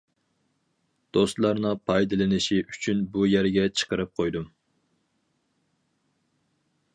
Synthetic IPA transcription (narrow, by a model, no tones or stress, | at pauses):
d̪̥ost̪lˠɑɾnɨpʰɑjd̪ɨlˠɨnɪʃiʔyt͡ʃʰynbujæɾɡʲɛt͡ʃʰə̥qəɾɨp̚qʰojd̪um